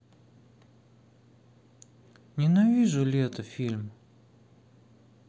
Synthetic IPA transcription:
nʲɪnavʲiʐʊlʲet̪əfʲilʲm

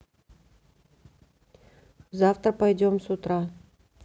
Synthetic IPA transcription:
zaft̪əɾpɐjd͡ʒomsut̪ɾa

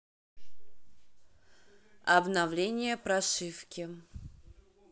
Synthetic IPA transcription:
ɐbnavlʲenʲɪjəpɾɐʂɨfkʲɪ

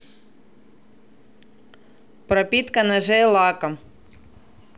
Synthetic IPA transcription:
pɾɐpʲit̪kɐnɐʒɛlˠɑkɐm

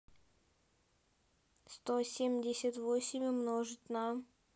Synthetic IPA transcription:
st̪osʲemʲdʲɪsʲət̪vosʲɪmʲɪmnoʐɨt̪ʲna

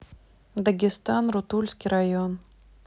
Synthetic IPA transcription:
d̪əɡʲɪst̪anrʊt̪ulʲsʲkʲijɾajon

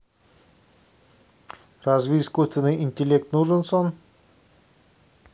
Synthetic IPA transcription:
razvʲiiskust̪vʲɪnːɨjɪnʲtʲɪlʲek̚t̪nuʐɨnson

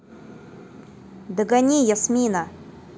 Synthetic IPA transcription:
d̪ɨɡanʲijasmʲina

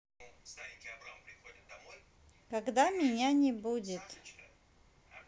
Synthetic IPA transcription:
kaɡd̪amʲɪnʲanʲɪbud͡zʲɪt̪

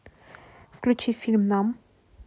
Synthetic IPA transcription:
fklut͡ʃːifilmnam

